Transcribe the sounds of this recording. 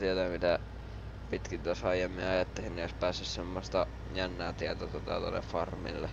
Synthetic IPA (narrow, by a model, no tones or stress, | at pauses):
t̪iet̪æmit̪æ | pit̪kint̪æsɑijˑemːiɑjɑt̪ːehinnioˑspæːsːyssemːost̪ɑ | jænːæːt̪iæt̪ot̪uot̪ɑ̰t̪o̰lːḛffɑrmḭlːḛ